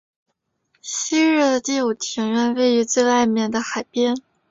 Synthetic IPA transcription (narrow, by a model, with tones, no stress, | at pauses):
ɕi˥ɻ̩˥˩d̪ə˩t̪i˥˩u˨˩t̪ʰi˧˥ŋɥɛ˥˧nwe˥˩ɪy˧˥t͡swe˥˧ɪwa˥˧ɪmjɛ˥˩nd̪ə˩xa˨˩ɪpjɛ˥n